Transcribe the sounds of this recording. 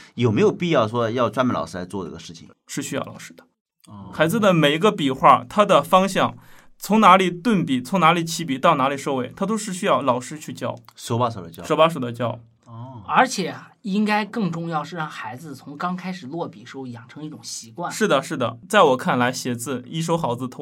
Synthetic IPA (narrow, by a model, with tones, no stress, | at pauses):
jo˨˩ʊme˧˥ɪjo˨˩ʊpi˥˧jɑ˥˩ʊʂwɔ˥jɑ˥˩ʊʈ͡ʂwa˥nma˨˩nlɑ̰˨ʊʂ̩˥˧la˧˥ɪt͡swɔ˥˩də̰˩˧˥ɡə˧ʂɻ̩˥˩t͡ɕʰḭ˨˩ŋ | ʂɻ̩˥˩ɕy˥ɑ̰˥˩ʊlɑ̰˨˩ʊʂɻ̩˥d̪̥ə̥˨ | xa˧˥ɪd͡zɹ̩˧d̪ə˩me˨˩ɪi˧˥ɡə˧pi˨˩xwa˥˩t̪ʰa˥d̪ə˨fɑ˥ŋɕjɑ˥˩ŋ | t͡sʰʊ˧˥ŋna˧˥li˨˩t̪wə˥˩npi˨˩t͡sʰʊ˧˥ŋna˧˥li˨˩t͡ɕʰi˧˥pi˨˩˦t̪ɑ˥˩ʊna˧˥li˨˩ʂo˥˧ʊwe˥˩ɪt̪ʰa˥t̪̬o˥ʊʂɻ̩˥˩ɕy˥jɑ˥˩ʊlɑ˨˩ʊʂɻ̩˥t͡ɕʰy˥˧t͡ɕjɑ˥˩ʊʂo˧˥pa˥ʂo˨˩d̪ə˧˩t͡ɕjʂo˧˥pa˥ʂ̬o˨˩ʊd̪ə˦t͡ɕjɑ˥˩ʊ | ə˞˧˥t͡ɕʰjɛ˨˩i˥ŋka˥ɪkɤ˥˩ŋʈ͡ʂʊ˥˧ŋjɑ˥˧ʊʂɻ̩˥˧ɻɑ˥˩ŋxa˧˥ɪd͡zɹ̩˧t͡sʰʊ˧˥ŋkɑ˥ŋkʰa˥ɪʂɻ̩˨˩lwɔ˥˩pi˨˩ʂo˥ʊjɑ˨˩ŋʈ͡ʂʰɤ˧˥ŋi˥˩ʈ͡ʂʊ˨˩ŋɕi˧˥kwa˥˩nʂɻ̩˥˩d̪ə˩ʂɻ̩˥˩d̪ə̰˩t͡sa˥˩ɪwɔ˨˩kʰa˥˩nla˧˥ɪɕjɛ˨˩d͡zɹ̩˥˧i˥ʂ̬o˥ʊxɑ˧˥ʊd͡zɹ̩˧t̪ʰo˥